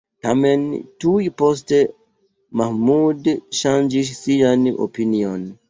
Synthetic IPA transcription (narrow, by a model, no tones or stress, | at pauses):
tamɛntuipɔs̬te | mahmudʃãnd͡ʒiʃsianʔo̰piniɔn